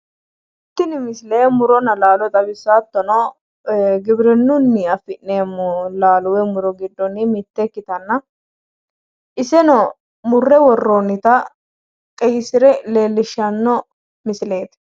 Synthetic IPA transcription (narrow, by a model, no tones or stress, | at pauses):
ɪt̪ːɪnɪmɪsleːmʊɾɔnɐlaːlɔt̪ʼɐbɪsːaːt̪ːɔnɔ | ɡɪbɪɾɛnːʊnːɪɐfɪʔneːmʊlaːlʊwɛmʊɾɔɡɪd̪ːɔnɪmɪt̪ːɛkːɪt̪ɐnːɐ | ʔɪsɛnɔ | mʊrːɛwɔrːonːɪt̪ɐ | kʼɛjɪsɪɾɛle̞ːlːɪʃːɐnːɔ | mɪsle̞ːt̪